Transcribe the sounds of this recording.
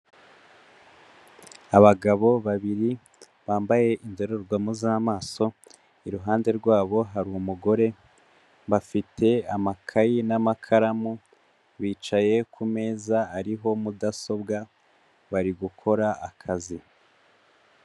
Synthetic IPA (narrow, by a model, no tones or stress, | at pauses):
aβaɡaβo̞βaβiɾi | βaːmbaje̞ʔindo̞ɾoɾɡwamuzaːmaːso̞ | iɾuɦaːnde̞ɾɡwaːβo̞ɦaɾuumuɡo̞ɾe̞ | βafitʰe̞amakʰajinamakʰaɾamu | βiːt͡ʃaje̞kume̞ːzaːɾiɦo̞mudaso̞bɡa | βaɾiɡukʰo̞ɾaakʰazi